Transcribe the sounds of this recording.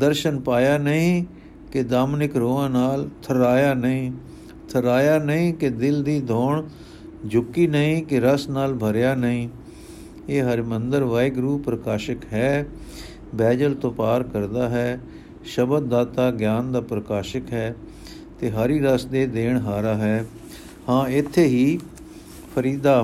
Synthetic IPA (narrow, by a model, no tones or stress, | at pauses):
d̪əɾʃənpaːjaːnəĩː | kɪd̪aːmnɪkɾoːãːnaːlt̪ʰəɾaːjaːnəĩː | t̪ʰəɾaːjaːnəĩːkɪd̪ɪld̪iːd̪ʱɔːɳ | d͡ʒʊkːiːnəĩːkɪɾəsnaːlbʱəɾjaːnəĩː | eːɦəɾmənd̪əɾʋaːɪɡɾuːpɾəkaːʃəkɦɛː | bɛːd͡ʒəlt̪õːpaːɾkəɾd̪aːɦɛː | ʃəbəd̪̚ːaːt̪aːɡjaːnd̪aːpɾəkaːʃəkɦɛː | t̪eːɦəɾiːɾəsd̪eːd̪eːɳɦaːɾaːɦɛː | hãːɪt̪ʰːeːɦiː | pʰəɾiːd̪aː